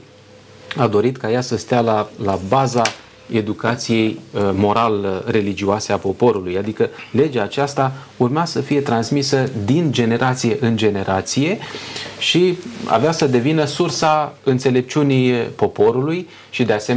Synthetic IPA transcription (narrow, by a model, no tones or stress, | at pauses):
ad̪o̞ɾit̪kajasəst̪ealalabaza | e̞d̪ukat̪sije̞jmo̞ɾalre̞lid͡ʒioase̞apo̞po̞ɾulujad̪ikəle̞d͡ʒaːt͡ʃast̪a | urmeasəfije̞t̪ɾansmisəd̪ind͡ʒe̞ne̞ɾʔat̪sije̞ʔɨnd͡ʒe̞ne̞ɾʔat̪sije̞ʃia̰veasəd̪e̞vinəsursaɨnt̪se̞le̞p̚t͡ʃunipo̞po̞ɾuluj | ʃid̪e̞asem